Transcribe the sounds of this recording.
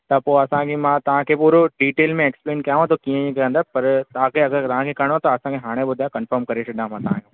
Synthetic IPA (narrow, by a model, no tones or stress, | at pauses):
t̪ɐpoːɐsãkʰemãːt̪ɐʋ̤ãkʰeːpuːɾoɖiːʈeːlmẽeːkspleːnkɐjaːʋãt̪ʰokiːə̃kə̃nd̪əpɐɾt̪ɐãkʰeɐɡəɾt̪ɐʋ̤ãkʰekɐɽ̃ot̪ɐɐsãkʰeɦaːɽ̃eɓʊd̪ʱajkɐ̃nfəɾmkɐɾeʃɐɗãmãt̪ɐãːɦjũ